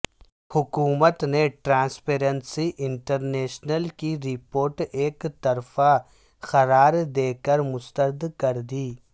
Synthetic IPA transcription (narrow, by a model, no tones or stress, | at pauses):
hʊkuːmət̪neʈɾãːnspeːɾə̃nsiʔɪ̃ɳʈəɾneːʃnəlkiɾɪpoːɾʈeːkt̪ɐɾfa | xɐɾaːɾd̪eːkəɾmʊst̪əɾd̪kɐɾd̪iː